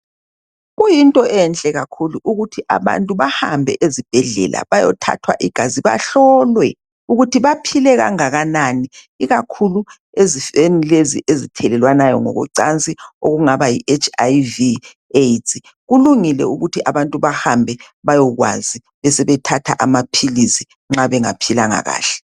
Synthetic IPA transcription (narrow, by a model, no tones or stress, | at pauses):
ɣujintʼɔʔɛnt͡ɬʼɛɣakʰuluʔuɣutʰiʔa̰βa̰ntʼuβaha̰mbʱɛ̰ʔezib̥ʱɛɮɛ̰lʔa̰βajɔ̰tʰa̰tʰwa̰ʔiɡ̥ʱaziβa̰ɬɔlwɛ | uɣutʰiβapʰilɛɣa̰ŋaɣanani | iɣakʰulu | ezifenileziʔezitʰɛlɛlwanajɔŋɔ̰ɣṵǀa̰nt͡sʼio̰ɣuŋaβajiʔet͡ʃʰʼajvi | etʰʼi | ɣuluŋilɛ̰uɣutʰiʔaβantʼuβahambʱɛ | βajɔɣwa̰zi | βɛsɛβɛtʰatʰaʔamapʰilisi | ŋ͡ǁaβɛŋapʰilaŋa̰ɣa̰ːɬɛ̥